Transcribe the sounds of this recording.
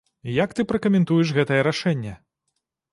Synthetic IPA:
jakt̪ɨpɾɐkɐmʲɛnt̪ujɛʂɣɛt̪ɐjɛɾaʂɛnʲːɛ

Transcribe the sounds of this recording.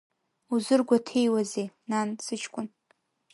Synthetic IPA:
uzɨrɡʷatʰejwazenansɨt͡ʃʰkʷʼʊn

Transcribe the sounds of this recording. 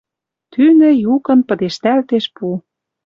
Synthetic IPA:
t̪ynɘ̆jukɤ̆npɤ̆d̪eʃt̪ælt̪eʃpu

